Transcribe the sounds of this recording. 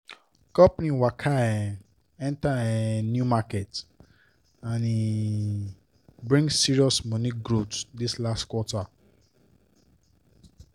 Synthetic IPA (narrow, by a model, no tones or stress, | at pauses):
kɔpnĩwakʰaɛ̃ | ɛ̃ntaɛ̃njumakɛt | ãni | bɹĩŋɡsiɹiɔsmɔ̃nĩɡɾutdislastkwɔta